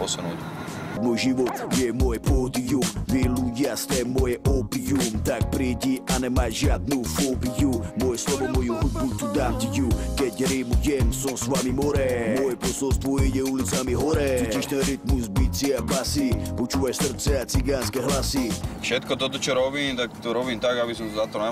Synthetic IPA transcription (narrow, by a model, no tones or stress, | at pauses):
pɔsunṵːc | mɔjʒiʋɔt̪jɛmɔjɛpɔd̪ijumviluɟɪast̪ɛːmɔjɛʔɔbijumt̪ak̚pɾiɟiʔanɛmajʒɪad̪̚nufɔbijumɔjɛslɔvɔmɔjuɦɔd̪̚but̪ud̪aːmcʲɛcukɛcɾimuɟɛmsɔsʋamimɔɾɛmɔjɛpɔsɔlst̪vɔjɛɟɛulit͡samiɦɔɾɛɔciʃnɛɾit̪muzbit͡siapasipɔt͡ʃuʋajsr̩t̪t͡sɛat͡siɡanskɛɦlasifʃɛt̪kɔt̪ɔt̪ɔt͡ʃɔɾɔbiːmt̪akt̪ɔɾobiːmt̪aɡabis̬ɔmszat̪ɔnɛ